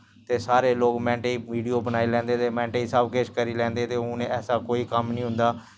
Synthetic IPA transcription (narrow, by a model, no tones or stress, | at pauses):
t̪eːsaːɾeːloːɡmɛ̃ːɳʈeiːʋiːɖijoːbənaːiːlɛ̃ːnd̪eːt̪eːmɛ̃ːɳʈeiːsəbket͡ʃkəɾiːlɛ̃ːnd̪eːt̪eːnẽːɛːsaːkoːiːkəmnĩːɦʊ̃nd̪aː